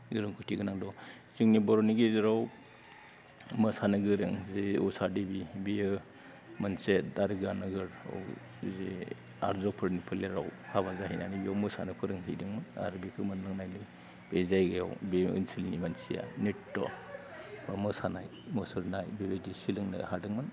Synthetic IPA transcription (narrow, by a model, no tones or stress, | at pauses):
ziɾɯŋkʰɔtʰiɡɯnaŋdɔ | ziŋnibɔɾɔniɡeziɾaw | mɯsanɯɡɯɾɯŋzeusadibibiɯ | mɐnsetaɾɯɡanɯɡɯɾa̰w | ze | a̰ɾzɔpʰɯɾnipʰɯleɾawkʰaβazaɦinanibiawmɯsa̰nɯpʰɯɾɯŋɦidɯŋmɯna̰ɾbikʰɯmɯnlɯŋnajli | b̥ezajɡɯjawbeɯ̰nsilnimansija̰netːɔ̰ | bamɯsanajmɔsɯɾnajbebedisilɯŋna̰hadɯŋmɯn